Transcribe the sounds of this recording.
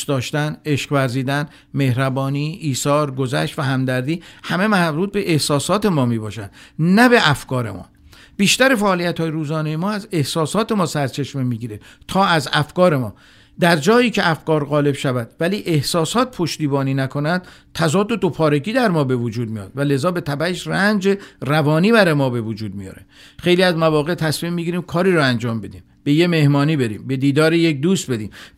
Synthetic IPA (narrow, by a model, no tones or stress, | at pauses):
d̪ɒːʃt̪æneʃqvæɾziːd̪æn | me̞hɾæbɒːniːiːsɒːɾɡo̞zæ̰ʃt̪væɦæmd̪æɾd̪iːhæme̞mæɾuːt̪̚be̞ʔehsɒːsɒːt̪ʰemɒːmiːbɒ̰ːʃænd̪̥næbe̞ʔæfkɒːɾe̞̰mɒ̰ː | b̥iːʃt̪æɾefæʔːlijæt̪hɒːjeɾuːzɒːnejemɒːæze̞hsɒːsɒːt̪ʰe̞mɒːsæɾt͡ʃʰe̞ʃmemiːɡiːɾe | t̪ʰɒːæzæfkɒːɾe̞mɒ̰ː | d̪æɾd͡ʒɒːjiːcʰeʔæfɡɒːɾɣɒːle̞b̥ʃævæd̪væliːʔe̞hsɒːsɒːt̪̚pʰo̞ʃt̪iːbɒːniːnækʰo̞nænd̪t̪ʰæzɒːd̪ːod̪opʰɒːɾeɡiːd̪æɾmɒːbe̞vod͡ʒuːd̪̚mijɒ̰ːd̪̥væle̞zɒːbe̞t̪ʰæbæeʃrænd͡ʒerævɒːniːbæɾɒːjemɒːbe̞vod͡ʒuːd̪̚mijɒ̰ːɾe | xe̞jliːæzmævɒːɣe̞t̪ʰæsmimːiɟiɾiːmkʰɒːɾiːɾɔænd͡ʒɒːmbe̞d̪iːmbe̞je̞me̞hmɒːniːbe̞ɾḭːmbe̞d̪iːd̪ɒːɾejek̚d̪uːst̪̚be̞d̪iːm